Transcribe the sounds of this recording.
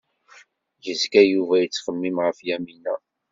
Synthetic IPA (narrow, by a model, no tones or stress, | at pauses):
jəzkæjuvæjət͡sːχəmːimʁəfjæminæ